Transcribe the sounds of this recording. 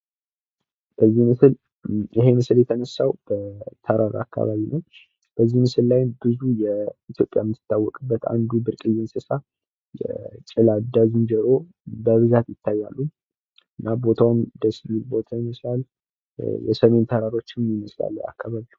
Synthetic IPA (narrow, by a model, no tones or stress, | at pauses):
b̥əzːihmɨsɨl | jɪɦe̞mɨsɨljɛt̪ʰənəsːawb̥ət̪ʰəɾaɾa̰kʰːa̰βaβinəw | b̥əzːihmɨsɨllajnbɨzujɛit̪ʰjo̞pʼjamːt̪ɨ̥t̪ʰːawːɔkʼɨbːət̪ʰa̰nd̪ubɨɾkʼɨjːɪnsɨsa | jɛ̰t͡ʃʼɪlad̪aznd͡ʒəɾo̞ | bəβɨzat̪jɪt̪ʰːajːalːu | ɨnːabo̞t̪ʰawmd̪əsmilbo̞t̪ʰajiməslal | jɛ̰səme̞nt̪ʰəɾaɾo̞t͡ʃːɪnmjiməsla̰lːəja̰kʰːaβaβi